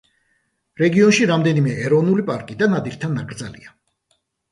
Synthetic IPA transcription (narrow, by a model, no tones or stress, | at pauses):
ɾɛɡiɔnʃiɾamd̪ɛnimɛʔɛɾɔvnulipʼaɾkʼid̪anad̪iɾt̪ʰanːaɡɾd̪zalḭa